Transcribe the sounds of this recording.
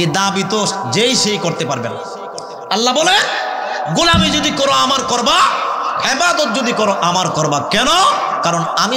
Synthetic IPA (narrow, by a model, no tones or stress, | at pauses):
ed̪abit̪oʃd͡ʑejʃejkoɾt̪epaɾbḛna̰ | alːabɔlenɡulamid͡ʒod̪ikɔɾoamaɾkɔɾbaebad̪ot̪̚d͡ʑod̪ikɔɾoʔamaɾkɔɾbakɛno | kaɾonami